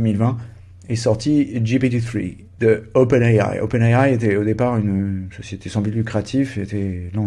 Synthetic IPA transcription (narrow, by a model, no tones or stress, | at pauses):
milvɛ̃ | esɔʁt̪iʒipit̪iθχḭ | d̪̥əopɛnaja̰jo̰pɛnaajet̪ɛod̪epaʁynøsɔset̪esɑ̃blit̪lykχat̪ʰifet̪ɛlɑ̃